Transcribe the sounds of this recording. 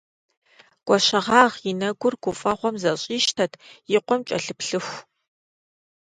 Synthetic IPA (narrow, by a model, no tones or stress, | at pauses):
ɡ̥ʷɔʃɐʁɑːʁjinɐɡʷʊrɡ̥ʷʊfʼɐχʷɔmzɐɕʼiːʃtʰɐtʰjiqʷɔmt͡ʃʼɐɬɨpɬɨxʷ